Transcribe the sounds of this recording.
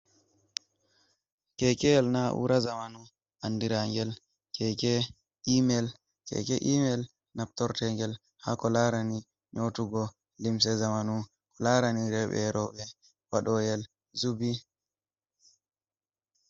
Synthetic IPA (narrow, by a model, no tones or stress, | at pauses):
kɛkɛɛlnaʔṵɾazamanu | andiɾaŋɡɛl | kɛkɛ | imɛl | kɛ̰kɛʔimɛl | nap̚tɔɾtɛŋɡɛl | ha̰kɔlaɾani | ɲotuɡɔ | lims̬ɛzamanu | kɔlaɾaniɾɛɓɛ̰ɾɔɓɛ | waɗɔjɛl | zubi